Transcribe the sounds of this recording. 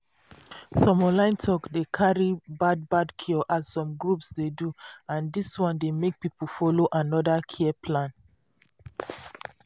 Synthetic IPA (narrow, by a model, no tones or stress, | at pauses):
sɔmɔ̃lãɪ̃ntʰɔkdekʰaɹibad̚badkʰiɔʔasːɔ̃mɡɹupsdeduãndiswɔ̃ndemek̚pipufɔloʔanɔdakʰiɛpʰlãn